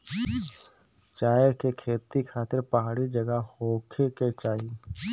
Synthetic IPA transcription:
t͡ʃaːjəkekʰeːt̪ikʰaːt̪ɪɾpɐɦaːɽid͡ʒəɡəhoːkʰeket͡ʃaːi

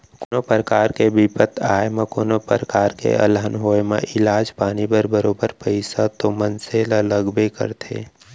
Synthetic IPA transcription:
kʊnopəɾəkaːɾkebipət̪ʰaːemə̃konopəɾəkaːɾkḛʔə̰lɦənɦoːemḛ̃ʔɪlaːd͡ʒpaːnibəɾbəɾoːbəɾpəɪsat̪omənselələɡbekə̰ɾt̪ʰḛː

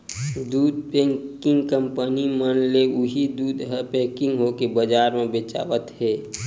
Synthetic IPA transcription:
d̪uːd̪̚pɛ̃ŋkɪ̃ŋɡkə̃mpənimənleʊɦid̪uːd̪ɦəpɛ̃ːkɪ̃ŋɡɦokebəd͡ʒaːɾmẽbeːt͡ʃa̰ːʋət̪hɛː

